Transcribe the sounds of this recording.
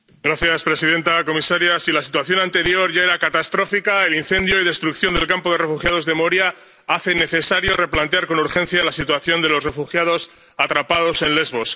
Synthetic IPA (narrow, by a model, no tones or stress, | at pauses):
ɡɾaθjaspɾe̞siðe̞nt̪ako̞misaɾjasilasit̪waθjo̞nãnt̪e̞ɾjo̞ɾʝae̞ɾakat̪ast̪ɾo̞fikaelinθe̞nd̪jo̞ið̞e̞st̪ɾukθjo̞nd̪e̞lkampo̞ðe̞re̞fuxjað̞o̞zðe̞moɾja | aθe̞ne̞θe̞saɾjo̞re̞plant̪eaɾko̞nuɾxe̞nθjalasit̪waθjo̞nd̪e̞lo̞sre̞fuxjaðo̞s | at̪ɾapað̞o̞se̞nle̞zβo̞s